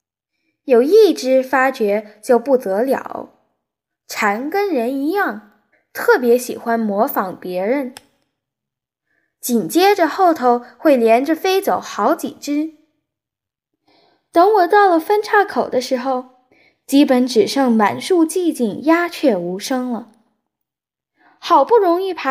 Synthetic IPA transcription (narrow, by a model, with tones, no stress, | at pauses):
jo˨˩ʊi˥˩ʈ͡ʂɻ̩˥fa˥t͡ɕɥɛ˧˥t͡ɕjo˥˧ʊpu˥˩t̪ɤ˧˥ljɑ̰˨˩˦ʊ | ʈ͡ʂʰa˧˥nkə˥nɻə˧˥ni˧˥jɑ˥˩ŋ | t̪ʰɤ˥˩pjɛ˧˥ɕḭ˨˩xwa˥nmwɔ˧˥fɑ˧˥ŋpjɛ˧˥ɻə˧˥n | t͡ɕi˨˩nt͡ɕjɛ˥ʈ͡ʂə˨xo˥˩ʊt̪ʰo˧˥ʊxwe˥˩ɪljɛ˧˥nʈ͡ʂə˧fe˥ɪt͡so˨˩˦ʊxɑ˧˥ʊt͡ɕḭ˨˩ʈ͡ʂɻ̩˥ | t̪ɤ˧˥ŋwɔ˨˩t̪ɑ˥˩ʊlə˩fə˥nʈ͡ʂʰa˥˩kʰo˨˩ʊd̪ə˦ʂɻ̩˧˥xo˧ʊ | t͡ɕi˥pə˧˥nʈ͡ʂɻ̩˨˩ʂɤ˥˩ŋma̰˨˩nʂu˥˧t͡ɕi˥˧t͡ɕi˥˩ŋja˥t͡ɕʰɥɛ˥˩u˧˥ʂɤ˥ŋlə˨ | xɑ˨˩ʊpu˥˩ɻʊ˧˥ŋi˥˩pʰa˧˥